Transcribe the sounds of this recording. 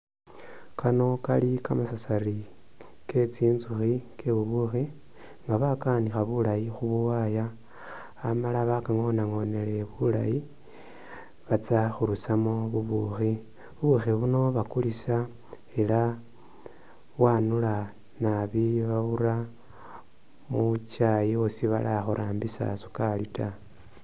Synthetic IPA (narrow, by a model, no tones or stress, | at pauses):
kʰano̞kalikamasasaɾi | ke̞t͡siːnzuxikʰeβuβuxi | ŋɡaβakanixaβulajixuβuwajaː | malaβakaŋonaŋo̞ne̞le̞βulaji | βat͡saxuɾusamoβuβuxi | βuβuxiβuno̞βakulisa | ela | wanula | naβiβaβuɾa | mut͡ʃajiosiβa̰laxuɾʔaːmbisa̰su̥kalita